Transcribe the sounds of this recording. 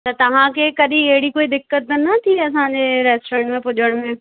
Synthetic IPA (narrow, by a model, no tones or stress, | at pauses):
t̪ɐt̪ɐʋ̤ãkʰekɐɗĩɐɦɪɽikoːid̪ɪkːət̪̚ːnɐt̪ʰiɐs̬ãːɲd͡ʑeːɾɛːsʈoɾẽːɳʈmẽpʊʄəɽ̃mẽ